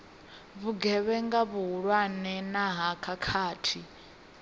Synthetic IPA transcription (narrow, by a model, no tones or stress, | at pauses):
βuɡɛβɛŋɡaβuɦuɺwanɛnaɦakʰakʰaːtʰi